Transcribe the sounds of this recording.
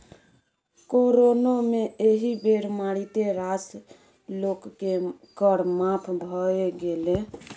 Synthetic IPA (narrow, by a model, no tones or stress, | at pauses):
koɾonomeʔeɦibeɾmaɽit̪eɾas | lokːe | kəɽmapʰbʱɔeɡele